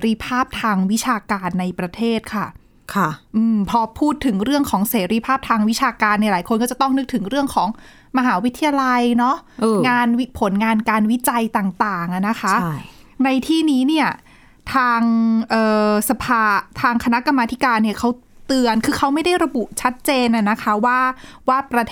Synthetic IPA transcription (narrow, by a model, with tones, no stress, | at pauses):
ɾi˧pʰaː˥˩p̚t̪ʰaː˧ŋwi˦˥t͡ɕʰaː˧kaː˧nːa˧jpɾa˧t̪ʰeː˥˩t̪̚kʰa˥˩ | kʰʔɯː˧mpʰɔː˧pʰuː˥˩t̪ʰːɯ˩˦ŋɾɯ˥˩əŋkʰɔː˩˦ŋseː˩˦ɾiː˧pʰaː˥˩p̚t̪ʰaː˧ŋwi˦˥t͡ɕʰaː˧kaː˧nːi˥˩laː˩˦jkʰo˧nkɔː˥˩t͡ɕa˨˩t̪ɔ˥˩ŋnɯ˦˥k̚t̪ʰɯ˩˦ŋɾɯ˥˩əŋkʰɔː˩˦ŋ | ma˧ɦaː˩˦wi˦t̪ʰːi˧ja˧la˧jnɔ˦˥ʔʔŋaː˧nwi˦˥pʰo˩˦nŋaː˧nkaː˧nwi˦˥t͡ɕa˧jt̪aː˨˩ŋt̪aː˨˩ŋʔa˨˩na˦˥kʰa˦˥na˧jt̪ʰiː˥˩niː˦˥ni˥˩ɐ | t̪ʰaː˧ŋʔɤː˨˩sa˧pʰaː˧t̪ʰaː˧ŋkʰa˧na˦˥ʔka˧mːaː˧t̪ʰi˦˥kaː˧nːi˥˩ɐkʰa˦˥wt̪ɯ˧ənkʰɯː˧kʰa˦˥wma˥˩jda˥˩jɾa˧bu˨˩ʔt͡ɕʰa˦˥t̪̚t͡ɕeː˧nʔa˨˩na˦˥kʰa˦˥waː˥˩waː˥˩pɾa˧t̪ʰ